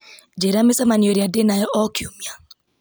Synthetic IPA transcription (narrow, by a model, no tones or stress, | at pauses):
d͡ʒeɾamɪsamanioɾiadenajɔʔɔkjumja